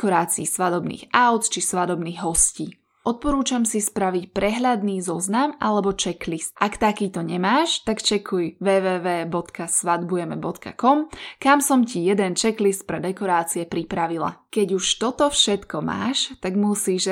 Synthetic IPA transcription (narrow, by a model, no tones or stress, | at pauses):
kɔɾaːt͡siːsʋad̪ɔbnḭːɣaʊt̪t͡ʃisʋad̪ɔbniːɣɦɔsciː | ʔɔt̪̚pɔɾuːt͡ʃamsispɾaʋicpɾɛɦʎad̪niːzɔznamʔalɛbɔt͡ʃɛklist̪̚ʔakt̪akiːt̪ɔɲɛmaːʃt̪akt͡ʃɛkʰujʋɛːʋɛːʋɛːbɔt̪kasʋad̪bujɛmɛbɔt̪ka̰kɔmkamsɔmcijɛd̪ɛnt͡ʃɛklist̪̚pɾɛd̪ɛkɔɾaːt͡siɛpɾipɾaʋilˠa̰kɛɟuʃt̪ɔt̪ɔfʃɛt̪kɔma̰ːʃt̪aɡmusiːʒ